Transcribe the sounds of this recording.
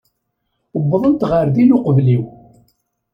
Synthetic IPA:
əbːəðˤənt̪ʁəɾðinʊqəvliw

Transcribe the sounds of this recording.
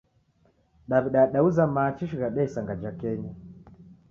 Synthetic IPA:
ɗaβiɗaɗauzamat͡ʃiʃiɣaɗɛisaŋɡad͡ʒakɛɲa

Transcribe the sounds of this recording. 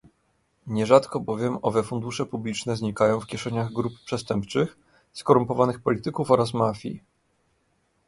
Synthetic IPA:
ɲɛʐat̪kɔbɔvʲjɛmɔvɛfund̪uʂɛpublʲit͡ʂnɛzɲikajɔ̃w̃fkʲɛʂɛɲaɣɡɾuppʂɛst̪ɛmpt͡ʂɘx | skɔɾumpɔvanɘxpɔlʲit̪ɘkufɔɾasmafʲjḭ

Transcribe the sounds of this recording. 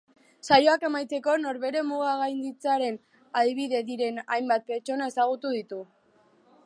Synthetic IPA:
sajo̞ake̞majt̪e̞ko̞no̞ɾβe̞ɾe̞muɣ̞aɣajnd̪it͡saɾe̞n | aðiβ̞iðe̞ðiɾe̞na̰jmbat̪̚pe̞ɾt͡ʃo̞naesaɣ̞ut̪uð̞it̪u

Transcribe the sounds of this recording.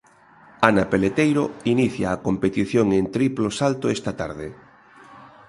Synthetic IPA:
anapelet̪ejɾoiniθjaːkompet̪iθjoŋent̪ɾiplosalt̪oɛst̪at̪aɾðe

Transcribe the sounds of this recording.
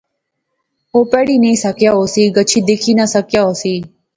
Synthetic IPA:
ɦoːpɛːɽiːnĩːsəkjaːɦoːsiːɡət͡ʃʰiːd̪eːkʰiːnasəkjaːɦoːsiː

